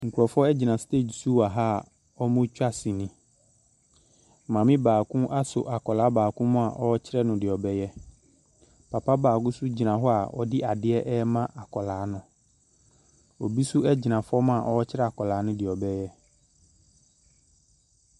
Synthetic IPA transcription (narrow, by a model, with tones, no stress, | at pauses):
ŋ̩˨ku˨ɔ˨fɔ˦ɛ˦d͡ʑi˨nã˨steː˦˨d͡ʑsu˦a˨ɦa˦˨ | ɔ˦mʊ̃˦t͡ɕᶣa˦˨si˨nɪ̃˨ | mã˨mɪ̃˦baː˨kʰʊ̃˦ʔa˦sʊ̰˨ʔa˨kɔ˨laː˨˦baː˨kʰʊ̃˦mʊ̃˦a˨ʔɔ˦t͡ɕʰɪ˦ɾɛ˦nʊ̃˨dɪ˨ɔ˨bɛ˦jɛ˦ | pʰa˨pʰa˦baː˨kʊ̃˦sʊ˦d͡ʑi˨nã˨ɦɔ˦a˨ɔ̰˦dɪ˦ʔa˨dɪ˦ɛ˦ʔɛ˦mã˦ʔa˨kʰɔ˨laː˨˦nʊ̃˨ | o˨bi˦sʊ˦ɛ˦d͡ʑɪ˨nã˨fɔ˦mʊ̃˦a˨ʔɔ˦t͡ɕʰɪ˦ɾɛ˦a˨kɔ˨laː˨˦nʊ̃˦dɪ˨ɔ˨bɛ˦jɛ˦